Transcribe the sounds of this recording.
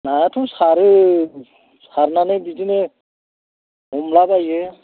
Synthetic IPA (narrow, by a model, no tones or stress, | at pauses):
natʰusaɾɯ | saɾnanɯbidine | ɦɔmlabaje